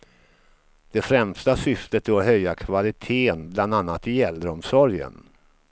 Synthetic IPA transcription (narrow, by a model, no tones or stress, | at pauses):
d̪̥ɛfɾɛmst̪asʏft̪ət̪ʰɪɔɦœjːakʰvalɪt̪ʰeːənbland̪anːat̪ɪɛlɾɔmsɔɾjə̰n